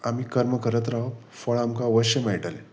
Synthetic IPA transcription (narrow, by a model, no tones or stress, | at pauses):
amiːkəɾməkəɾət̪ɾaɦə | fəɭamkaʋəɕemaɦiʈale